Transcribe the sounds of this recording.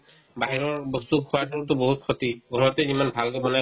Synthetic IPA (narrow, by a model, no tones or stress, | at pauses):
baɦiɹɔɹbɔstukkʰɔwasɔutʊbɔɦut̚kʰɔtiɡɔɹɔtɛimanbʱalkɛbɔna